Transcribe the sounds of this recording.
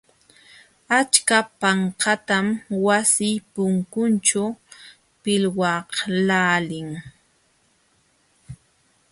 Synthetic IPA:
at͡ʃkapaɴkat̪amwasɪjpʊŋkʊnt͡ʃa | pɪlwɑhlaːlɪŋ

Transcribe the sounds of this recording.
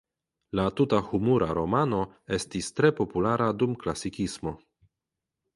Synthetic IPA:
latutahumuɾa̰ɾo̞mano̞ | e̞stistɾe̞po̞pulaɾʔadumklasikismo̞

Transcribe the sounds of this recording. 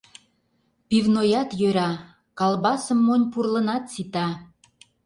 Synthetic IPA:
pivnojɑt̪jøɾɑ | kɑlbɑsəmːonʲpurlənɑt̪sit̪ɑ

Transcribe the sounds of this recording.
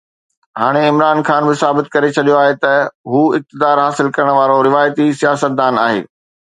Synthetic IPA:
ɦaːɽ̃eɪmɾaːnxaːnbɪsaːbɪt̪̚kɐɾet͡ɕʰɐɗijoaːɦet̪ɐɦuːɪk̚t̪ɪd̪aːɾɦaːsɪlkɐɾəɽ̃əʋaːɾoɾɪʋaːjt̪isijaːsət̪̚d̪aːnaːɦḛː

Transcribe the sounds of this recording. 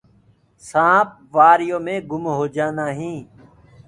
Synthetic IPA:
sãːp̚ | ʋaːɾjõːmẽːɡʊmɦoːd͡ʒãːnd̪aːɦĩː

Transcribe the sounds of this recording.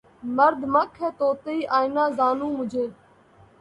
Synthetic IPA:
məɾd̪ʱməkʰːɛːt̪oːt̪əiːʔaːɪnaːzaːnũːmʊd͡ʒʱeː

